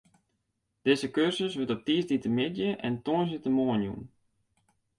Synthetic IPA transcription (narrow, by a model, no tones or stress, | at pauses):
d̥ɪzəkørsəsʋətɔp̚tisditəmɪdjəʔɛntoənsitəmoənjṵn